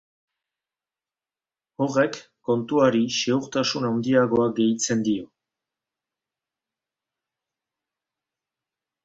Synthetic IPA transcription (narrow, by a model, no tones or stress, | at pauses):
o̞re̞kː | o̞nt̪uaɾiʃe̞uɾt̪asunawnd̪iaɣo̞aɡe̞jt͡se̞nd̪io